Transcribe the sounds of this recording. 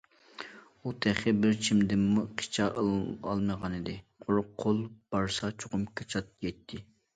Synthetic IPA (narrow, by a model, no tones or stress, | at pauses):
ut̪ʰɛχɪbɪɾt͡ʃʰimd̪ɪmːuqʰi̥t͡ʃʰɑʔɑ̰lˠməʁɑnɪd̪ɪqʰʊɾʊqʰːolˠb̥ɑɾsɑt͡ʃʰo̥qʊmkʰɑt͡ʃʰɑt̪̚jɛt̪ʰːɪ